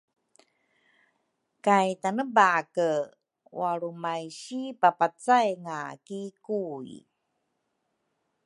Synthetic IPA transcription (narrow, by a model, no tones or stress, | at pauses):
kajtanəbakə | waɾumajɕipapat͡sajŋakikuḭ